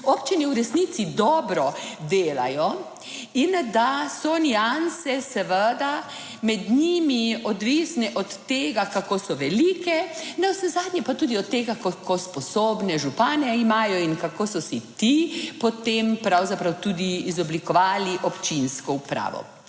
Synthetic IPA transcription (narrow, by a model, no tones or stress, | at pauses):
opt͡ʃinɛuɾɛsnit̪sid̪ɔːbɾɔd̪eːla̰jɔ | ind̪asɔniansɛsɛʋəd̪a | mɛd̪ɲimiɔd̪ʋisnɛʔɔt̪ːeːɡakakosɔʋɛlikɛnɛwsɛzaːd̪nɲɛpat̪uːd̪iɔt̪ːeɡakɔkʰɔspɔsoːbnɛʒupaːnɛimaːjɔinkakoːsɔsit̪ipɔt̪empɾawzapɾawt̪ud̪iːzɔblikɔʋaːliʔɔpt͡ʃinskɔupɾa̰ːʋɔ̰